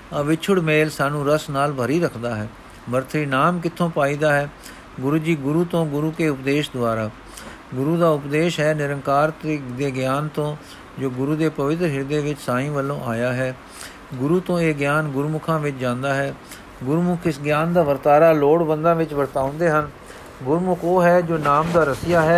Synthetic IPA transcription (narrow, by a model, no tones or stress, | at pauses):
əʋɪt͡ʃʰʊɽmeːlsaːnũːɾəsnaːlbʱəɾiːɾəkʰd̪aːɦɛː | bəɾt̪ʰɾiːnaːmk̬ɪt̪ʰːõːpaːiːd̪aːɦɛː | ɡʊɾuːd͡ʒiːɡʊɾuːt̪õːɡʊɾuːkeːʊpd̪eːʃd̪ʊaːɾaː | ɡʊɾuːd̪aːʊpd̪eːʃɦɛːnɪɾəŋkaːɾt̪ːd̪eːɡjaːnt̪õː | d͡ʒoːɡʊɾuːd̪eːpəʋɪt̪̬ɾəɦɪɾd̪eːʋɪt͡ʃsãːĩːʋəlːõːʔaːjaːɦɛː | ɡʊɾuːt̪õːeːɡjaːnɡʊɾmʊkʰãːʋɪt͡ʃd͡ʒãːnd̪aːɦɛː | ɡʊɾmʊkʰɪsɡjaːnd̪aːʋəɾt̪aːɾaːloːɽbənd̪ãːʋɪt͡ʃʋəɾt̪aːʊ̃nd̪eːɦən | ɡʊɾmʊkʰoːɦɛːd͡ʒoːnaːmd̪aːɾəsɪjaːɦɛː